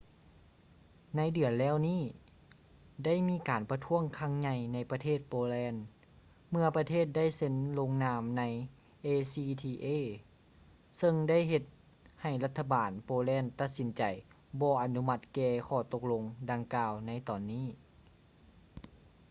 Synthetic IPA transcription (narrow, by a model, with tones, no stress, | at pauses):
na˧˥jdɯ˨˩ənlɛː˥˩wniː˥˩ | da˥˩˨jmiː˧˥kaː˨˩npa˧t̪ʰu˧˥˨əŋkʰa˧˥˩ŋɲa˧jna˧˥jpa˧t̪ʰeː˥˩t̪̚poː˧lɛː˧˥n | mɯ˧ɐpa˧t̪ʰeː˥˩t̪̚da˥˨jse˧˥nlo˧ŋnaː˧˥mna˧˥j | ʔeː˧siː˧t̪ʰiː˧ʔeː˧˥˨ | sɤ˧ŋda˥˩˨jɦe˧t̪̚ | ha˨˩jla˧t̪ʰːa˧baː˨˩npoː˧lɛː˧˥˨nt̪a˧t̪̚si˨˦nt͡ɕa˨˩j | bɔː˧˦ʔa˨˩nu˧ma˧t̪̚kɛː˧kʰɔː˧˩t̪o˧˥k̚lo˧ŋda˧ŋkaː˧wna˧˥˩jt̪ɔː˨˩nːiː˥˩